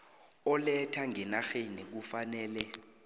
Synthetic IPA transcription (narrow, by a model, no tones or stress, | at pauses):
ɔlɛtʰaŋɛnaxenik̬ufanɛːlɛ